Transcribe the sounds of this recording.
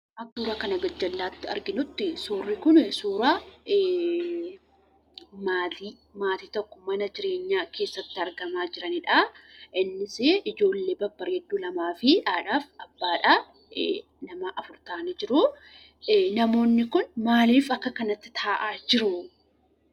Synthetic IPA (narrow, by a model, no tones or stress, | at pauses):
ʔɐkːuːɾɐkɐnɐɡɐd͡ʒːɐlːaːt̪ːɪɐ̰ɾɡɪnʊt̪ːɪsuːrːɪkʊnsuːɾa | maːt̪iː | maːt̪iːt̪ɔkːɔmɐnɐd͡ʒɪɾe̞ːɲːaːke̞ːsːɐt̪ːɪɐɾɡɐmaːd͡ʒɪɾɐnɪᶑaʔɪnːɪseːʔɪd͡ʒo̞ːlːeːbɐbːɐɾɛd̪ːuːlɐmaːfɪᶑaːᶑaːfɐbːaːᶑaː | nɐmɐʔɐfʊɾt̪aːnɐd͡ʒɪɾʊ | nɐmo̞ːnːɪkʊnmaːliːfɐkːɐkɐnɐt̪ːɪ̥t̪ʰaːʔaːd͡ʒɪɾʊ